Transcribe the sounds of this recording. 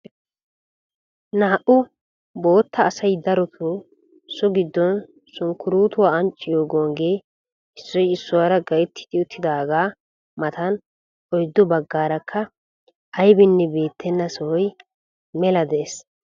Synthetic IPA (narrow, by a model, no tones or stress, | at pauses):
naːʔʊ | bo̞ːt̪ʰːɐːsɐjd̪ɐɾɔt̪ʰu | sʊɡɪd̪ːɔn | sʊŋkːʊɾuːt̪ʊwaːɐnt͡ʃʼːɪjo̞ːɡoːŋɡe̞ː | ɪsːɔjɪsːʊwaɾɐɡɐjɛt̪ʰːɪ̥t̪ɪʊt̪ːɪd̪aːɡaː | mɐt̪ɐn | ʔɔjd̪ːɔbɐɡːaːɾɐkʰːɐ | ʔɐjbɪnːɛbeːt̪ʰːɛnːɐsɔhɔj | mɛlɐd̪eːs